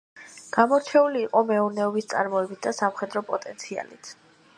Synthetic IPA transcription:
ɡ̥amɔɾt͡ʃʰɛuliːqʼɔmɛuɾnɛɔbist̪sʼa̰ɾmɔɛbit̪̚ʰd̪asamχɛd̪ɾɔpʼɔt̪ʼɛnt̪sʰia̰lit̪ʰ

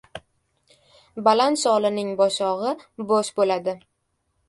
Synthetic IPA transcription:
balant̪sɒlˠɪnɪŋbɒʃɒʁɨboʃbolad̪ɪ

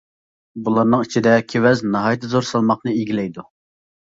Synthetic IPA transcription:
bulˠɑɾnɨŋit͡ʃʰid̪ɛkʲʰewɛznɑɦɑːjt̪ʰːzoɾsɑlˠmɑχnɨiɡʲilɛjd̪u

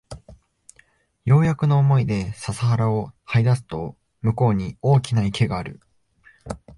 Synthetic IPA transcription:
jo̞ːjakɯ̟no̞ːmo̞id̪e̞sasaɦaɾao̞haid̪asɨ̥t̪o̞ | mɯ̟ko̞ːɲ̟io̞ːkʲinaike̞ɡaːɾɯ̟̰

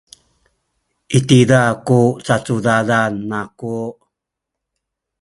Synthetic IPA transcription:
itidakut͡sat͡sudalanːaku

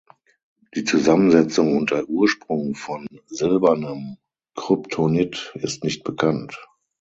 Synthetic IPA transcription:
d̥iːt͡suzamənzɛt͡sʊŋʊntɐʔuːɐʃpʁ̥ʊŋfɔnzɪlbɐnəm | kʁ̥ʏptʰonɪtɪstnɪçt̚b̥əkʰant

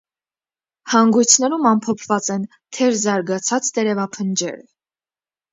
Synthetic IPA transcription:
hɑŋɡujt͡sʰnɛɾumɑmpʰɔpʰvɑt͡sɛn | t̪ʰɛɾzɑɾɡɑt͡sʰɑt͡st̪ɛɾɛvɑpʰənd͡ʒɛ̰ɾə

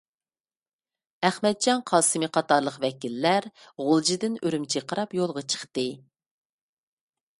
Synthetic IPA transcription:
æχmɛt̪̚d͡ʒɑnqʰɑːsɨmɨqʰɑt̪ɑɾlˠəqvɛkʲilːæɾʁʊlˠd͡ʒid̪ɪnøɾymt͡ʃʰiqʰəɾɑpjolˠʁɑt͡ʃʰə̥χt̪ɨ

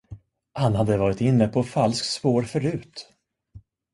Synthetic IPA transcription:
hanhad̪ːəvɑːɾɪt̪ɪnːəpʰɔfalsk̪spoːɾfœɾʉ̟ːt̪

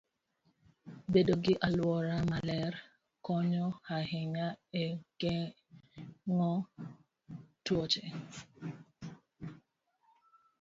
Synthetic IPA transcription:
bedoɡɪʔalwɔɾamalɛr | kɔɲɔhahɪŋaɛɡɛ | ŋɔ | twɔt͡ʃɛ

